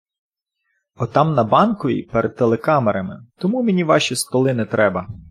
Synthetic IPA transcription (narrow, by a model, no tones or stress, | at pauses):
ɔt̪ɑmnɐbɑnkɔʋʲḭpeɾɛd̪̚t̪ːelˠekɑmeɾɐmɪ̰t̪ɔmumenʲiʋɑʃʲist̪ɔlˠɪnɪt̪ɾɛbɐ